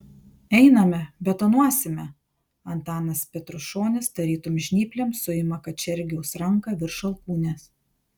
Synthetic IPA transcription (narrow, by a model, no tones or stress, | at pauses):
ɛɪnɐmʲɛbʲɛt̪oːnuɔsʲɪmʲɛ | ɐnt̪ɑːnɐspʲɛt̪ɾʊʃoːnʲɪsd̪ɐɾʲiːt̪omʒʲnʲiːpʲlʲemsʊɪmɐkɐt͡ʃʲɛɾʲɡʲɪɛʊsɾɐŋˑkɐʋʲɪɾʃɐlˠkuːnʲes